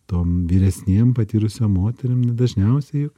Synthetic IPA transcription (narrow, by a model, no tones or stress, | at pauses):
t̪oːmʋʲiːɾʲɛsʲnʲeːmpɐt̪ʲiːɾʊsʲoːmmoːt̪ʲɛɾʲɪmnʲd̪ɐʒʲnʲɛʊsʲɛjʊk